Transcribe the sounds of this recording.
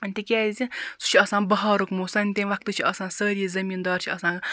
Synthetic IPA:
ɐnʲt̪ʲekʲɛːzʲisu̥t͡ʃʰiɐsãːbɐɦaːɾukmoːsɐːnʲt̪ʲenʋɐk̚t̪ɨt͡ʃʰiɐsãːnsəːɾʲiizɐmiːnd̪ɔːɾt͡ʃʰiɐsãː

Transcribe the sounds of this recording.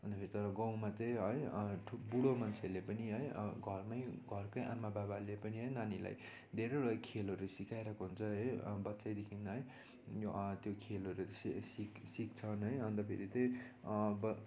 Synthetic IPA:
ʌnd̪ʌpʰeɾit̪ʌɾʌɡʌ̃w̃mat̪ʌjɦʌjʈʰubuɽomʌnt͡sʰelepʌniɦʌjɡʱʌrmajɡʱʌrkʌjʔa̰mːababalepʌniɦʌjnanila̰j | d̪ʱeɾʌʌkʰelʌɾusikajɾʌkoɦunt͡sʰʌɦʌjbʌtːsajd̪ekʰinʌɦʌj | jt̪jokʰelʌɾussiksik̚t͡sʰʌnɦʌjʌnd̪ʌpʰḛɾit̪ʌj | bʌ

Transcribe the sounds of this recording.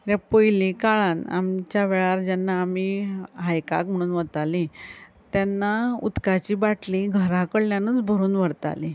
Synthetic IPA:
ɾjapojlikaɭana̰mt͡ɕjaʋeɭaɾd͡ʑɛnːaːmiɦajka̰km̤əɽ̃uːnʋəɽt̪ali | t̪janːaṵt̪kat͡ɕiːbaʈliɡʱəɾakəɽljãnuːt͡sbʱəɾuːnʋəɽt̪a̰li

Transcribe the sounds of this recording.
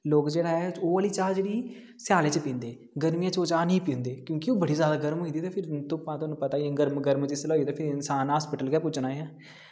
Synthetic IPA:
loːkd͡ʒeːɽaːɛːoːəliːt͡ʃaːd͡ʒeːɽiː | sjaːleːt͡ʃpĩːnd̪eː | ɡəɾmijãːt͡ʃoːt͡ʃaːnĩːpĩnd̪eːkjõːkioːbəɽiːzjaːd̪aːɡəɾmɦoːĩːd̪iːt̪eːpʰɪɾt̪ʊ̃pãːt̪onũːpət̪aːɡəɾmɡəɾmt͡ʃɪsloːit̪eːpʰɪɾɪnsaːnɦaːspɪʈəlɡɛːpʊt͡ʃnaːjãː

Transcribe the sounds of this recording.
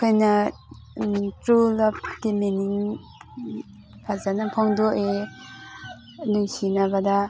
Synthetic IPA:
kʰajna | tɾulɔp̚timeniŋ | pʰazanapʰɔŋdoʔe | luŋsinabada

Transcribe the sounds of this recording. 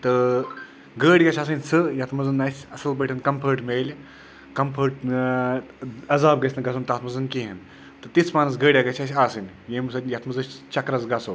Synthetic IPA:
t̪ɨ | ɡəːɽʲɡɐt͡ʃʰaːs̬ɨnʲsɨjɐt̪ʰmɐzɐnːɐsʲɐsɨlbɐʈʲʰɐnkɐmpʰəɾʈmeːlʲ | kɐmpʰəɾʈ̚ | ɐzaːb̚ɡɐsʲnɐɡɐsʰont̪aːt̪mɐzɨnkiɦɐn | t̪ɨt̪it͡sʰmaːnɐs̬ɡəːɽʲjaɡɐt͡ʃʰasʲaːsɨnʲ | jeːmsɨnjɐt̪ʰmɐzɨsʲt͡ʃɐkɾɐzɡɐso

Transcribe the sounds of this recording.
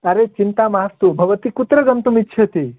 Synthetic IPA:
ɐɾet͡ʃint̪amaɐst̪ubʱɐʋət̪ikut̪ɾəɡɐmt̪umitːʃʰɐt̪i

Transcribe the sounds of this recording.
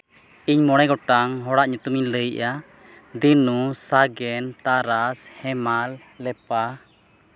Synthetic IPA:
iɲmɔɽ̃ɛɡɔʈaŋɦɔɽaʔɲut̪umiɲləjʔa | d̪inusaɡɛnt̪aɾashɛmalː | ɛpa

